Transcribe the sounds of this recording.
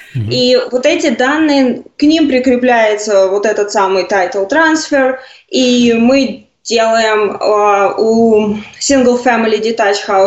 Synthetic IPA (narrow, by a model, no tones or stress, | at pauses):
ivot̪ɛtʲɪd̪anːɨjəknʲimpɾʲɪkɾʲɪplʲæjɪt̪səvo̞t̪ɛt̪ət̪samɨjt̪ajt̪lˠt̪ɾansfʲɪr | imɨ | dʲe̞lˠəjɪməusʲinɡəlˠfʲɛmʲɪlʲɪdʲɪt̪at͡ɕxaʊ